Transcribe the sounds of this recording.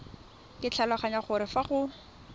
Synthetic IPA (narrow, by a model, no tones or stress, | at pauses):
kɪt͡ɬʰalaχaɲaχʊɾɪfaχʊ